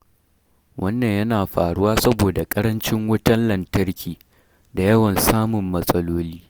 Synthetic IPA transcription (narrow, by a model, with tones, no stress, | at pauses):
wʔɐ˦nːɐ˨ɲjɐ˦naː˨ɸaː˨ɽʊ˦waː˦sɐ˦boː˨da˨kʼɐ˦ɾɐ˦nt͡ʃɪ˦ŋwʊ˦tɐ˦nlɐ˨ntɐ˦rkʲiː˨ | da˨jɐ˦wɐ˨nsaː˦mʊ˨mːɐ˦sʼɐ˦loː˦liː˦